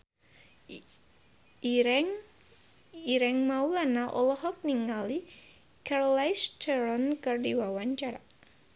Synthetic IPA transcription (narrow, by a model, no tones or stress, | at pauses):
ɛŋ | iɾɛŋmaulanaʔɔ̰lɔɦɔk̚niŋali | kaɾɔlajstəɾɔnkərdiwawaɲt͡ʃaɾa